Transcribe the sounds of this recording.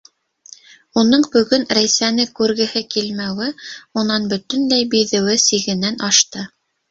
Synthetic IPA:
unɤɴbɵ̆ɡɵnɾæjsænɘkʉɾɡɘ̆hɘkilmæwɘunɑnbɵ̆t̪ɘ̆nlæjbiðɘ̆wɘsiɡɘ̆nænɑʃt̪ɤ

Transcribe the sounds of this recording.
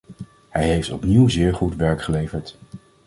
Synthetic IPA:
hɛjɦejftɔpniwzɪːɹχutʋɛɹkχəlejvəɹt

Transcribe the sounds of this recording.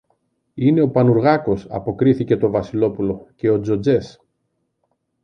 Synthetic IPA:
ine̞o̞pɐnuɾɣɐko̞sɐ̰po̞kɾiθice̞t̪o̞vɐsilo̞pulo̞ce̞o̞d͡zo̞d͡ze̞s

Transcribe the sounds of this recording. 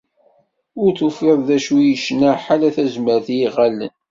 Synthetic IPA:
ʊɾθufeðˤðæʃujəʃnaħalæθæzməɾθjiʁælə̰n

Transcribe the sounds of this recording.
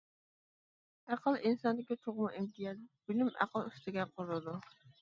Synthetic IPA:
æqʰəlˠinsɑnd̪ɪkʲit̪ʰoʁmuʔimt̪ʰijɑd̪b̥ɪlymæ̰qəlˠyst̪ɪɡʲɛqʰʊɾlɨd̪u

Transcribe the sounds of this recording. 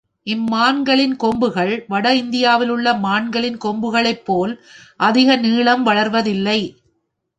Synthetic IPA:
ʔɪmːaːnɡɐɭɪnkɔmbɯɣɐɭʋɐɽɐɪnd̪ɪjaːʋɪlɯɭːɐmaːnɡɐɭɪnkɔmbɯɣɐɭɐɪpːoːlʔɐðɪɣɐniːɭɐmʋɐɭɐɾʋɐðɪlːɐɪ

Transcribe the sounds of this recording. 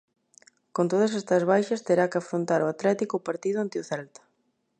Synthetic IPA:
kont̪oð̞ɐs̬ɛst̪ɐzβajʃɐst̪eɾakɪafɾont̪aɾoat̪lɛt̪ikʊpaɾt̪iðʊant̪eʊθɛlt̪ɐ̥

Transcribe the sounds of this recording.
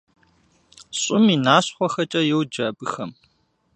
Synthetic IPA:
ɕʼʊminaːɕχʷɔxɐt͡ʃʼɐjɛwd͡ʒɐbɨxɐm

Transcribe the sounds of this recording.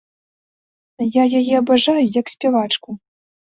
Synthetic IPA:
jajajɛɐbaʐajujɐksʲpʲɛvat͡ʂku

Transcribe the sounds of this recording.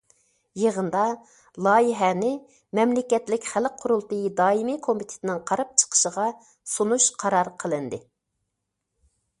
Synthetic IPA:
jeʁənd̪ɑ | lˠɑːjiɦɛnɪ | mɛmlɪkʲɛt̪lɪkʲχælqʰːʊɾulˠt̪ɨjd̪ɑːimɨkʰomit̪ʰɪ̥t̪ʰɪnɪŋqʰɑɾɑp̚t͡ʃʰə̥qʰə̥ʃəʁɑ | sunuʃqʰɑɾɑɾqʰəlˠɨnd̪ɨ

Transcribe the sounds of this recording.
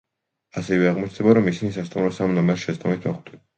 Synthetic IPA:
asɛvɛaʁmɔt͡ʃʰd̪̥ɛbaɾɔmisinisast̪ʼumɾɔsamnɔmɛɾʃɛst̪ʼɔmit̪ʰmɔχt̪i

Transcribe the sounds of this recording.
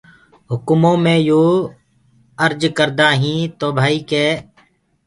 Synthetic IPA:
ɦʊkmõːmẽːjoː | əɾd͡ʒkəɾd̪aːɦĩːt̪oːbʱaːiːkeː

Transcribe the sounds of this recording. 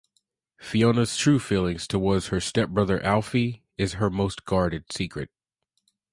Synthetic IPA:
fionəz̥tʰɹ̥ʉfilˠɪ̃ŋz̥tʰəwɔɹdz̥ə˞stɛp̚b̥ɹʌðə˞ʔælˠfi | ɪz̥ə˞moʊsɡ̥ɑɹɾɨd̥sikʰɹɨ̰t̚

